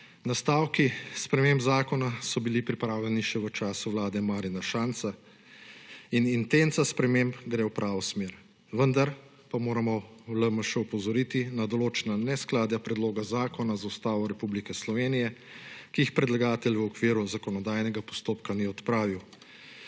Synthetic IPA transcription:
nast̪aːwkispɾɛmembzaːkɔnasɔbilipɾipɾaːwljɛniʃɛʋət͡ʃaːsuʋlaːd̪ɛmaːɾinaʃant̪sa | inint̪ent̪saspɾɛmembɡɾewpɾʔaːʋɔsmeːɾ | ʋənd̪aɾ | pamoːɾamɔləməʃɛupɔzɔɾit̪inad̪ɔloːt͡ʃɛnanɛsklaːd̪japɾɛd̪loːɡazaːkɔnazaust̪aːʋɔɾɛpublikɛslɔʋenijɛ | kiixpɾɛd̪laɡaːt̪ɛlʋəɔkʋiːɾuzakɔnɔd̪aːjnɛɡapɔ̥st̪oːpkaniɔt̪pɾaːʋiw

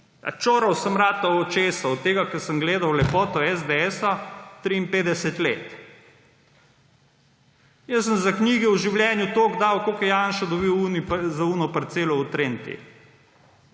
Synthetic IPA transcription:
a̰t͡ʃoːɾɐwsəmɾaːt̪aot͡ʃeːsaɔt̪ːeːɡakɛɾsəmɡleːd̪awlɛpɔːt̪ɔɛzd̪eɛːsat̪ɾiːmpeːd̪ɛsɛt̪leːt̪ | jəs̬ːəmzakniːɡɛwʒiwljɛːnjut̪oːɡd̪awkokɛjanʃad̪ɔbiwunizaunɔpaɾt̪seːlɔut̪ɾeːnt̪ḭ

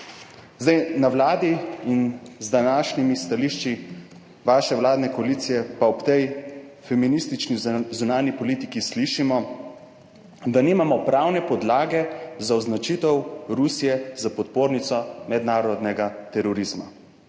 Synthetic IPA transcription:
zd̪ajnawlaːd̪iinzd̪anaːʃnimist̪aliːʃt͡ʃi | ʋaːʃɛʋwlaːd̪nɛkoaliːt̪sijɛpaɔpt̪ɛj | fɛminist̪it͡ʃnizunaːnipɔliːt̪ikisliʃimɔ | d̪aniːmamɔpɾaːwnɛpɔd̪laːɡɛzaɔznat͡ʃit̪ɛwɾusijɛzapɔt̪̚poːɾnit̪sɔmɛd̪naːɾɔd̪nɛɡat̪ɛɾɔɾizma

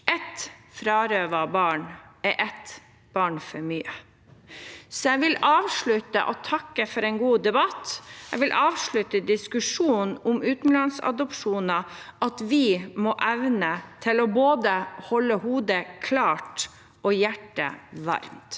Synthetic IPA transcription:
ʔɛt̪fɾɑːɾøːʋɑbɑːɳɛʔɛt̪ | b̥ɑːɳfɔɾmyːə | sɔjɛʋɪlɑːʋʂɭʉt̪ə̰ʔɔt̪ʰɑkːəfɔɾɛnɡuːd̪ɛbɑt̪æɪʋɪlʔɑːʋʂɭʉt̪əd̪ɪskʉʂuːnʊmʉːt̪n̩lɑnsɑ̰d̪ɔpʂuːnɑʔɑt̪ʋɪmɔːʔɛʋnət̪ʰɪlɔboːd̪əhɔlːəhuːd̪əkʰlɑːʈ | ɔjæʈːə̰ʋɑ̰ɾmt̪

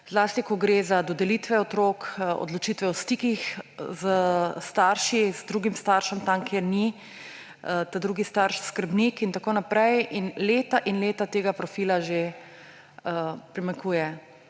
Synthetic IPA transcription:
zlaːst̪ikɔɡɾeːzad̪ɔd̪ɛlit̪ʋɛɔt̪ɾoːko̰d̪lɔt͡ʃit̪ʋɛɔst̪ikixzəst̪aːɾʃizd̪ɾuɡimst̪aːɾʃɛmt̪amkʰeːɾni | t̪ad̪ɾuːɡist̪aɾʃskəɾbnikint̪akoːnapɾɛjʔinleːt̪aʔinleːt̪at̪eːɡapɾɔfiːlaʒe | əpɾimaŋkuːjɛ

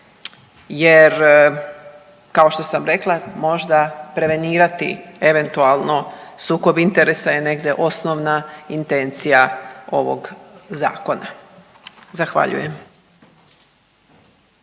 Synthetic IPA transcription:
jeɾ | kao̞ʃt̪o̞samɾe̞klˠamo̞ʒd̪apɾeʋe̞niːɾat̪ḭe̞ʋe̞nt̪ualˠno̞suːko̞bint̪e̞ɾe̞saje̞ne̞ɡd̪e̞ʔo̞snoʋnaint̪e̞nt̪sijao̞ʋo̰ɡza̰ːko̞na | zaxʋa̰ʎṵje̞m

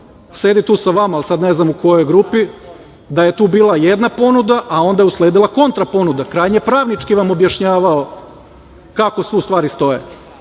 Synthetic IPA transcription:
seːd̪it̪uːsaʋamaːlsad̪neznamuko̞jo̞jɡɾupi | d̪ajet̪uːbiːlˠajed̪napo̞nud̪aʔao̞nd̪ajeusleːd̪ilˠako̞nt̪ɾapo̞nud̪akɾaːjɲepɾaːʋnit͡ʃkiʋamo̞bjaʃɲaːʋao | kako̞sʋiust̪ʋaːɾist̪o̞je

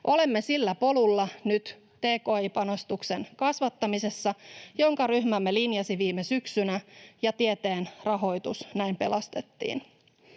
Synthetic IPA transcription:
ʔo̞lemːesilːæpo̞lulːɑnyt̪ | t̪e̞ːko̞ːipɑno̞st̪ukse̞nkɑsʋɑt̪ːɑmise̞sːɑjo̞ŋkɑɾyhmæmːe̞linjɑsiʋiːmesyksynæjɑt̪ie̞t̪e̞ːnrɑɦo̞jt̪usnæimpe̞lɑst̪e̞t̪ːḭːn

